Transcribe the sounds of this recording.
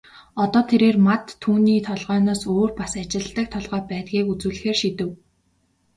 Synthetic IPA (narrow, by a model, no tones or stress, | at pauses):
ɔt̪ɔːt̪ʰeɾeːrmat̪ʰːuːniːt̪ʰɔɮʁœːnɔːsoːrpasat͡ɕɪ̆ɮt̪ə̆k̚t̪ʰɔɮʁœːpæːt̪̚ɡiːkut͡sŭːɮɘ̆xeːrʃit̪ɘ̆w